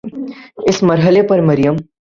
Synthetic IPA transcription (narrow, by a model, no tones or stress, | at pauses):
ɪsmɐɾɦəlepɐɾməɾijəm